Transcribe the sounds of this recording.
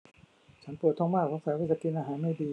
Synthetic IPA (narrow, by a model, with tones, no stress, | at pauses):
t͡ɕʰa˦˥npɯ˨˩t̪ʰːɔ˧ŋmaː˥˩kʰɔː˧˥ŋfɛː˨˦weː˧˥˩sa˧k̪i˧t̪ʔaː˧˩ɦaː˨˦nma˥˩jdiː˧